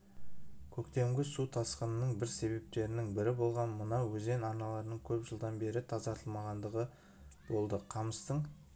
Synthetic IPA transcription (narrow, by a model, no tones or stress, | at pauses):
kʲʰɵkt̪e̞mɡʲɪsut̪ʰɑsqənənəɴbɪɾse̞βe̞p̚t̪e̞ɾɪnɪŋbɪɾɪbo̞lˠʁɑnmənɑwɵze̞nɑɾnɑlˠɑɾənəɴkʲʰɵpʒəlˠd̪ɑnbe̞ɾɪt̪ʰɑzɑt̪ʰəlˠmɑʁɑnd̪əʁə | b̥o̞lˠd̪əqʰɑməst̪əɴ